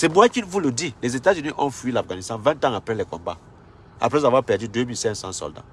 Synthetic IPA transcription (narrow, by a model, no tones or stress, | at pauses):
semuakitvulodilezetaziniʔɔ̃nfuilafɡanistãnvɛ̃ntãŋapɾɛ̃lɛkɔ̰̃mba̰ | a̰pɾɛzavapad͡ʒidemisɛ̃sãsɔ̰ldã̰